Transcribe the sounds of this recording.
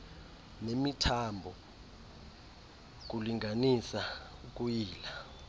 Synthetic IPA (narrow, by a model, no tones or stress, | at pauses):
nemitʰambʱɔ | k̬uliŋʱanisauk̬ujiːla